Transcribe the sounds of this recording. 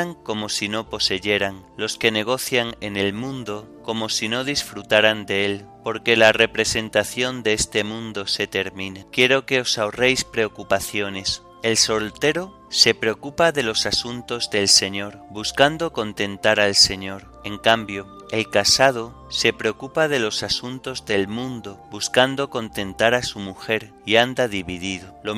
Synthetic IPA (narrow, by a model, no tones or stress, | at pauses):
aŋko̞mo̞sino̞po̞se̞ʝe̞ɾaŋ | lo̞ske̞ne̞ɣ̞o̞θjaŋe̞ne̞lmũnd̪o̞ | ko̞mo̞sinoð̞isfɾut̪aɾand̪e̞elpo̞ɾke̞lare̞pɾe̞se̞nt̪aθjo̞nd̪eest̪e̞mũnd̪o̞se̞t̪e̞ɾmĩnekje̞ɾo̞ke̞o̞saore̞jspɾe̞okupaθjo̞ne̞s | e̞lso̞lt̪e̞ɾo | se̞pɾeo̞kupaðe̞lo̞sasunt̪o̞zðe̞lse̞ɲo̞ɾbuskand̪o̞ko̞nt̪e̞nt̪aɾalse̞ɲo̞ɾ | e̞ŋkambjo̞ | e̞lkasað̞o̞ | se̞pɾeo̞kupað̞e̞lo̞sasunt̪o̞zðe̞lmũnd̪o̞buskand̪o̞ko̞nt̪ẽ̞nt̪aɾasumuxe̞ɾ | iand̪aðiβiðiðolo